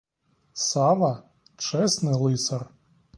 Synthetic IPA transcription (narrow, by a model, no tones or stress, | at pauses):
sɑʋɐ | t͡ʃɛsnɪlˠɪsɐr